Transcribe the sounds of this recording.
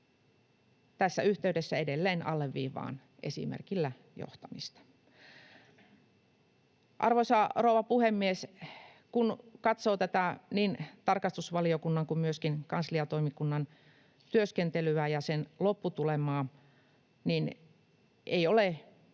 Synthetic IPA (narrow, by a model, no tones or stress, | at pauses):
t̪æsːæyht̪eydesːæedelːeːnɑ̰lːeʋʋḭːʋːˑɑ̰ːn | ʔḛsḭmḛrkilːæ | jo̰ht̪ɑmist̪ɑ̥ | ʔɑ̰rʋoisɑrowʋɑpuhemːies | kunkɑt̪soːt̪æt̪æniːnt̪ɑrkɑst̪usʋɑliokunːɑŋkummyøskinkɑnsliɑt̪oimikunːɑn | t̪yøskent̪elyæjɑsenlopːut̪ulemɑː | nin | ʔeiole